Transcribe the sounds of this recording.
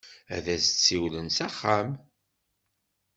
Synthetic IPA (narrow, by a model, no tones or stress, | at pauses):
æ̰ðæsət͡sːiwlənsæχːam